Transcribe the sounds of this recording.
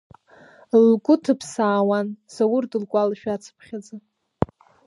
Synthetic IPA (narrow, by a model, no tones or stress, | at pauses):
lkʷʼʊtʰɨpʰsaːwansawʊrdɨlkʷʼalʃᶣat͡sʰpʰχʲad͡zɨ